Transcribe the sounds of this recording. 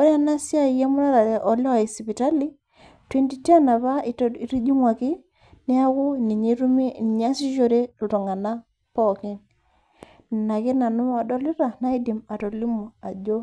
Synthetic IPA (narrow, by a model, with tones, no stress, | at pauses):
ɔ˦ɾa˦na˦sja˦i˨je˦mʊ˦ɾa˦ɾa˨ɾe˨ʔɔ˨lɛ˦a˨i˨si˨pi˨ta˦li˦ | twe˦nti˨te˦˨na˨βa˦i˨ɾi˦d͡ʒi˦ŋwa˨ki˦ | ne˦a˦kʊ˦ni˨ɲi˦ɾu˦mi˦n˨ɲ˦a˦si˦ʃo˨ɾe˦lu˨tɔ˨ŋa˨na˦ | pɔ˦˨kɪ˦ŋ˨ | na˨ki˦na˨nʊ˦a˨dɔ˦li˦ɾa˨na˦i˦di˨ma˨to˨li˦mu˨a˨d͡ʒo˦